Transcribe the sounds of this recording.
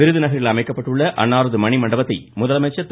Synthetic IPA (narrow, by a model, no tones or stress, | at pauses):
ɪɾɯðɯnɐɣɐɾɪlɐmɐɪkːɐpːɐʈːɯɭːɐʔɐ̰nːaːɾɐðɯmɐɳimɐɳɖɐbɐt̪ːɐɪmʊðɐlɐmɐɪt͡ʃːɐt̪